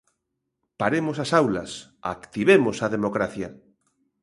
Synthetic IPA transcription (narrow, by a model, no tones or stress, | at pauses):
paɾemʊsasawlɐsa̰kt̪iβemosaðemokɾaθja